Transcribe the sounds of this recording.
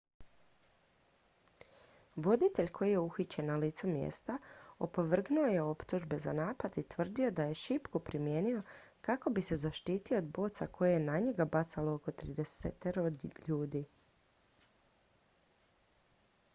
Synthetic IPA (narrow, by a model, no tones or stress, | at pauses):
ʋo̞d̪it̪e̞ʎkʰo̞jije̞uxit͡ɕenːaliːt̪sumjḛːst̪aopo̞ʋr̩ɡnuoje̞o̞pt̪uʒbe̞za̰naːpad̪it̪ʋr̩d̪io̞d̪aje̞ʃipkupɾimje̞ːnio̞kako̞bise̞zaʃt̪iːt̪io̞ːd̪bo̞ːt̪sako̞jejenaɲeɡabat̪salooko̞t̪ɾid̪eset̪eɾod̪ʎuːd̪i